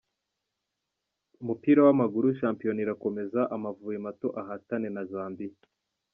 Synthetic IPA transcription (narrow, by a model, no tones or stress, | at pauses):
umupiːɾawamaɡuɾuʃ̬aːmpijo̞niɾako̞me̞zaʔamavuːjemato̞ʔaɦatane̞nazaːmbi